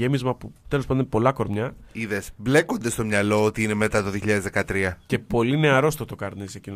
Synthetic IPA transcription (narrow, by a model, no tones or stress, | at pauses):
emizmɐput̪e̞lospɐnd̪opo̞lɐko̞ɾmɲɐiðesble̞ko̞nd̪est̪o̞mɲɐlo̞ot̪iine̞me̞t̪ɐt̪oðioçiʎɐðezðekɐt̪ɾiɐce̞po̞line̞ɐɾo̞st̪ot̪o̞kɐɾnesecino